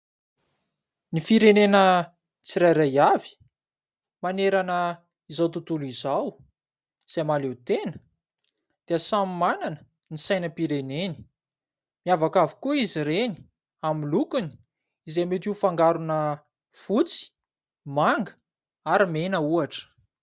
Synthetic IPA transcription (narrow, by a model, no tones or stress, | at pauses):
nifiɾenenə | t͡siɾajɾajavi̥ | maneɾanə | izawt̪ut̪ulizaw | z̥amalet̪enə̥ | d̪̥eəsammananə̥ | nisajnəpiɾeneni̥ | miavakavi̥kuiziɾeni̥ | amilukuni̥ | izemet̪ifaŋɡaɾunə | fut͡si̥ | maŋɡə̥ | aɾimenəuaʈ͡ʂə̥